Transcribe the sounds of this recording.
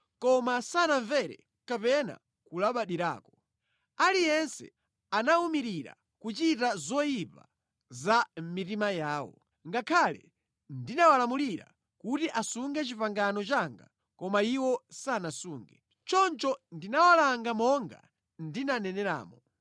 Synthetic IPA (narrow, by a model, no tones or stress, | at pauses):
kɔmasanaɱvɛɾɛ̰ | kapɛna̰ | kulaɓaɗiɾa̰ːkɔ̥ | alijɛnsɛ̰ | anaumiɾiɾa̰ | kut͡ʃitazɔjipa̰ | zam̩mitimajaːwɔ̰ | ŋɡakʰalɛ̰ | ndinawalamuliɾa̰ | kutiʔasuŋɡɛt͡ʃipaŋɡanɔt͡ʃaŋɡa̰ | kɔmaiwɔsanasuːŋɡɛ | t͡ʃɔnt͡ʃɔndinawalaŋɡamɔŋɡa̰ | ndinanɛnɛɾa̰ːmɔ